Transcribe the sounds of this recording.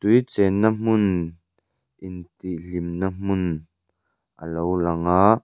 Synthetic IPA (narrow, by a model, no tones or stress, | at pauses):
t̪ujt͡sɛnːam̥ʊn | ʔɪnt̪ilimnam̥ʊn | ʔə̰lowlɐŋaːʔ